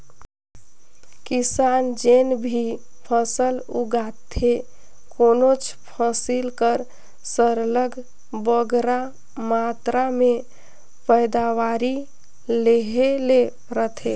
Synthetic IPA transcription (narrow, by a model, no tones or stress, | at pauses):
kisand͡ʒenbʱi | pʰəsəluɡat̪ʰe | konot͡ʃʰpʰəsilkəɾ | səɾləɡʱ | bəɡɾa | mat̪ɾame | pəjd̪awaɾi | leɦele | ɾət̪ʰe